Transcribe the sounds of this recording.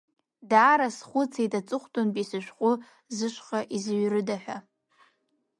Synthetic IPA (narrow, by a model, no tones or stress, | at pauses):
daːɾasχʷʊt͡sʰejtʼat͡sʼɨχʷtʼonpʼisɨʃʷᶣχʷʼʊ | zɨʃʷχaʔizɥrɨdaħʷᶣa